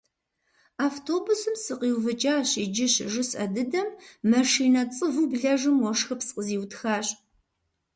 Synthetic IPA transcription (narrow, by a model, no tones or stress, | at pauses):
aːftʰoːbusɨmsɨqiːwvɨt͡ʃʼaːɕid͡ʒɪɕʒɨsɐ̰dɨdɐmːɐʂiːnɐt͡sʼɨvubɮɐʐɨmwɔʂxɐpsqʼəziːwtxaːɕʼ